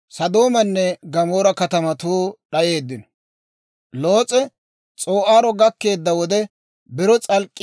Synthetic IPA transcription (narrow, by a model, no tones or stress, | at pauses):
sɐd̪o̞ːmɐnːɛɡɐmoːɾɐkɐt̪ɐmɐt̪uːɗɐʔe̞ːd̪ːɪnɔ | lo̞ːt͡sʼɛ | t͡sʼoːʔaːɾɔɡɐkːe̞ːd̪ːɐwɔd̪ɛ | bɪɾɔt͡sʼɐlkʼːɪ